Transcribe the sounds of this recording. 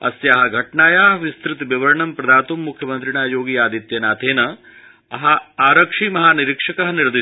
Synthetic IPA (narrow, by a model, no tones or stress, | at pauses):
ɐ̰sjɐɦɐɡʱɐʈɳaːjaːʋist̪ɾit̪biʋɐɾɳɐmpɾɐd̪aːt̪umːukʰjɐmɐnt̪ɾiɳaːjoːɡiːaːd̪it̪jɐnaːt̪ʰeːnɐ | ɐɦɐaːɾɐkʂiːmɐɦaːniɾikʂɐkɐɦɐniɾd̪i